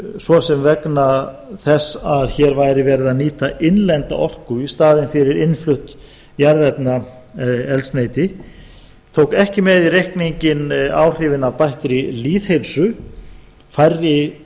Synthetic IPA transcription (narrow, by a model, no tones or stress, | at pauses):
svɔsɛmvɛkna | θɛsːaðçɛɾvajɾɪvɛːɾɪðaniːt̪aʔɪnlɛnt̪a̰ʔɔr̥kʏist̪aːðɪnfɪɾɪɾɪnflʏht̪ | jaɾðɛt̪na | ɛlsneːjt̪ɪ | t̪ʰowkɛhcɪmɛðirejhkniɲcɪnaːwr̥ɪvɪnavpajht̪ɾiliːθhejlsʏ | fajrːɪ